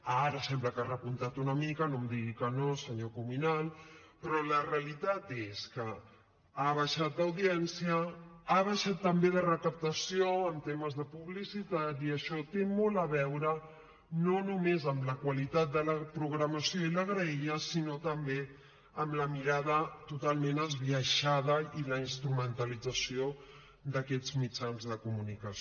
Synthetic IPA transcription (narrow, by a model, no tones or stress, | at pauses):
aɾəsɛmbləkarəpunt̪at̪unəmikənomd̪iɣikənosəɲokuminalˠpɾɔləreəlit̪at̪eskə | aβ̞aʃat̪̚d̪ɐwðiɛnsiəaβ̞aʃat̪ːəmbeðərəkəp̚t̪əsioənt̪eməzðəpuβlisit̪at̪iəʃɔt̪emɔlˠəβɛwɾə | nonumezəmləkwəlit̪at̪̚d̪ələpɾuɣɾəməsioiləɣɾəiəsinot̪əmbe | əmləmiɾað̞ət̪ut̪alˠmenəzβiəʃaðəiləinst̪ɾumənt̪əlid͡zəsio | d̪əkɛd͡zmid͡ʒanzðəkumunikəs